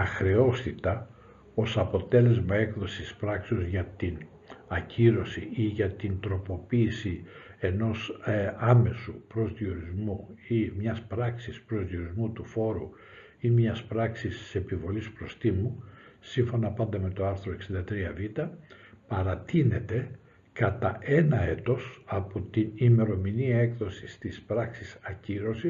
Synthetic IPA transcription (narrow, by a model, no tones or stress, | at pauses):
ɐxɾe̞o̞st̪it̪ɐ | o̞sɐpo̞t̪e̞le̞zmɐe̞kðo̞sispɾɐkseozʝɐt̪in | ɐcʰiɾo̞siiʝɐt̪int̪ɾo̞po̞piːsie̞no̞sɐme̞supɾo̞zðio̞ɾizmuimɲɐspɾɐksispɾozðio̞ɾizmut̪ufo̞ɾu | imɲɐspɾɐksisse̞pivo̞lispɾo̞st̪imusiɱfo̞nɐpɐnd̪ɐme̞t̪o̞ɐɾθɾoe̞ksind̪ɐt̪ɾiɐvit̪ɐpɐɾɐt̪ine̞t̪e̞ | kɐt̪ɐʔe̞nɐe̞t̪o̞sɐpo̞t̪inime̞ɾo̞miniɐe̞kðo̞sist̪ispɾɐksisɐciɾo̞si